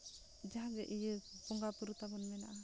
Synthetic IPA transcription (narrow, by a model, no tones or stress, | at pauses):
d͡ʒaɡɛʔijəbɔŋɡapuɾut̪abɔnmɛnaʔa